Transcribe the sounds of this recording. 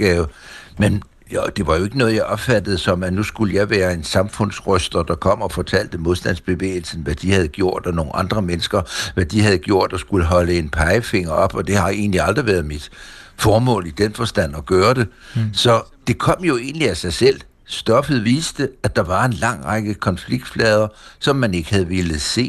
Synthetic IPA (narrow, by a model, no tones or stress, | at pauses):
ɡ̥ɛːʊmen | jd̥e̝ʋɑ̈jo̝e̝ɡ̥ənɔ̽ːð̩ˠjɑ̈ɪʔɒ̽b̥fæd̥əð̞̩ˠsɒ̽mænusɡ̥uləjɑ̈ɪʋæːɐe̝nsɑ̈mfɔ̽n̰sʁœsd̥ɐd̥ɑ̈kʰɒ̽m̰ɒfɒ̽t͡sʰæl̰d̥əmo̝ð̞ˠsd̥æn̰sb̥e̝ʋḛːl̩sn̩ʋæd̥ihæðˠɡ̥jo̝ɐ̰d̥ɒno̝ːn̩ʔɑ̈nd̥ʁɐmenəsɡ̥ɐʋæd̥ihæðˠɡ̥jo̝ɐ̰d̥ɒsɡ̥uləɦɒ̽ləe̝npʰɑ̈ɪəfe̝ŋ̰ɐɒ̽b̥ɒ̽d̥e̝hɑ̈e̝̰ːn̩liɑ̈ld̥ʁiʋæɐð̩ˠmid̥fɒːmɔ̰̽ːlid̥enfɒ̽sd̥æn̰ɒ̽ɡ̥ɶːɐd̥e̝sɒ̽d̥e̝kʰɒ̽m̰jo̝e̝̰ːnliæsɑ̈ɪsel̰ | sd̥ɒ̽fð̩ˠʋiːsd̥əæd̥ɑ̈ʋɑ̈e̝nlɑ̈ŋ̰ʁɑɡ̥əkʰɒ̽nfliɡ̥̚d̥flɛːð̞ˠɐsɒ̽mːæne̝ɡ̥hæð̞ˠʋe̝lð̩ˠse̝̰ː